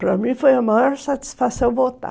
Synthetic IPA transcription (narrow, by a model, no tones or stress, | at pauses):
pɾɐmĩfojɐmaɾsat̪i̥sfasewvot̪a̰